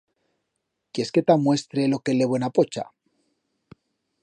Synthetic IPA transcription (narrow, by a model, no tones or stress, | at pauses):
kje̞sket̪amwe̞st̪ɾe̞lo̞ke̞le̞βenapo̞t͡ʃa̰